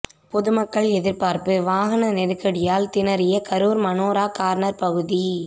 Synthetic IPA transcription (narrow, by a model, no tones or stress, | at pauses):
pɔðɯmɐkːɐɭɛðɪɾpaːɾpɯʋaːɣɐnɐnɛɾɯkːɐɽɪjaːlt̪ɪnɐɾɪjɐkɐɾuːɾmɐnoːɾaːkaːɾnɐɾpɐɣɯði